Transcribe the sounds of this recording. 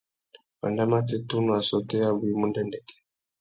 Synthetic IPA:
wa̰˨nda˦ma˦tɛ˦tu˦nu˨a˨sɔ˨kɛ˦a˦βu˨i˦mu˦ndɛ˦ndɛ˨kɛ̥˨

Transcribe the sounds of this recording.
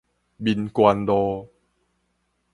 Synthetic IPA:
bi˧nkwa˧ndɔ˧

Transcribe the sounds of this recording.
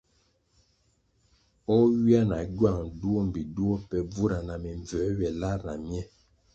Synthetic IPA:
ɔ˦wi˦a˦na˨ɟwa˦˨ŋdu˦o˦˨m̩˨bi˨du˦o˦pɛ˨b͡vu˦ɾa˨na˨mi˨ɱ˨vɛ˨˦ɥɛ˨la˦˨ɾna˨mjɛ˦˨

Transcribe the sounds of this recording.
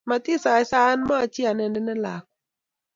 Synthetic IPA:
ma˧˩t̪i˧˥˨saː˨˦jsaː˨˦nmaː˧˥˩t͡ɕi˧˩˨na˧˩˨na˧˥˦na˧˥˩la̰˨˩k̚

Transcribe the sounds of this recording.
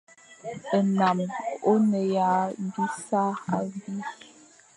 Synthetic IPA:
ə˨na˨mo˦nə˨ja˨˦du˦sa˦a̰˨bi˦

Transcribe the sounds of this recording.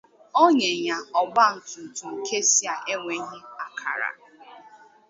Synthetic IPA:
o˦ɲe˨ɲa˨ɔ˨ɡ͡ba˦n̩˨tʊ˨n̩˨tu˨ŋ̩˨ke˦si˦a˨ʔe˦ŋʷe˨˦ɦi˦a˨kʰa̰˨ɾa̰˨

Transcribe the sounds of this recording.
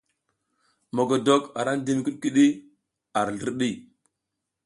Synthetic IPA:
mo˨ɡo˨do˨ka˨ɾa˦n˦di˦m˨ki˦ɗki˦ɗi˦ | a˨ɾɬə˦ɾɗi˦˨

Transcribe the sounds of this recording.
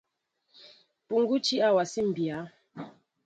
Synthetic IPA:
pu˨ŋ˦ɡu˦t͡ʃi˦a˦wa˨si˦m̩˨bja˨˦

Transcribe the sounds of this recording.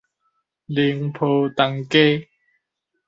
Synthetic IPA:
li˧ŋpʰo˨˧t̪a˨˧ŋke˦

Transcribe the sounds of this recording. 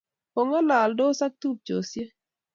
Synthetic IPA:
o˨ŋa˦la˨ldo˦sa˦k̚t̪u˦p̚t͡ʃo˨sje˦

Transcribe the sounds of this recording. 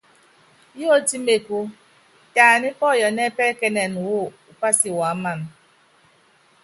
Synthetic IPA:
jo˦ti˦me˨kʷu˦ | ta˨nɪ˦pɔ˦˨jɔ˨ne˦pe˦ke˦ne˨nʊ˨wʊ˦ʊ˨pa˦sɪ˨wa˨˦ma˦n̩˦

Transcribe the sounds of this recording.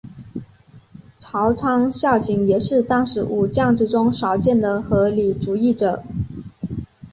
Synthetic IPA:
ʈ͡ʂʰɑ˧˥ʊʈ͡ʂʰɑ˥ŋɕjɑ˥˩ʊt͡ɕi˧˥ŋjɛ˨˩ʂɻ̩˥˧t̪ɑ˥ŋʂɻ̩˧˥ʔu˨˩t͡ɕjɑ˥˧ŋʈ͡ʂɻ̩˥˧ʈ͡ʂʊ˥ŋʂɑ˨˧˥ʊt͡ɕjɛ˥˩nd̪ə˩xɤ˧˥li˨˩ʈ͡ʂu˧˥i˥˩ʈ͡ʂɤ˨˩˦

